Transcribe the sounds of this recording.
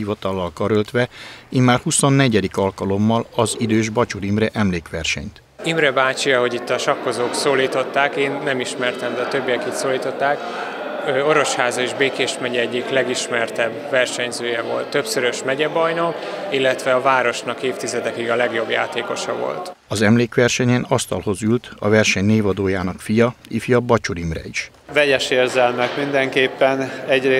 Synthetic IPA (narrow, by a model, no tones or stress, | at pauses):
ivɒt̪ɒlːɒlkɒɾølt̪ʋɛimːaːrhuso̞nːɛɟɛd̪ikɒlkɒlo̞mːɒlɒzid̪øːʒbɒt͡ʃuɾimrɛʔɛmleːkʋɛrʃɛ̰ɲt̪ | imrɛbaːt͡ʃiɒɦo̞ɟit̪ːɒʃɒkːo̞zoːksoːliːt̪o̞t̪ːaːkeːnːɛmiʃmɛrt̪ɛmd̪ɛɒːt̪ø̞bːijɛkit̪soːliːt̪o̞t̪ːaːk | øo̞ɾo̞ʃhaːzɒeʒbeːkeːʃmɛɟɛɛɟːiklɛɡiʃmɛrt̪ɛbvɛrʃɛɲzøːjɛvo̞lt̪ːø̞psøɾøʃmɛɟɛbɒjnokilːɛt̪ʋɛɒvaːɾo̞ʃnɒkeːft̪izɛd̪ɛkiɡɒlɛɡjo̞bja̰ːt̪eːko̞ʃɒvo̰lt̪ɒzɛmleːkʋɛrʃɛɲɛnɒst̪ɒlho̞zylt̪ɒvɛrʃɛɲneːvɒd̪oːjaːnɒkfijɒifjɒbɒt͡ʃoɾimrɛ̰iʃ | vɛɟɛʃeːrzɛlmɛkmind̪ɛŋkeːpːɛnɛɟre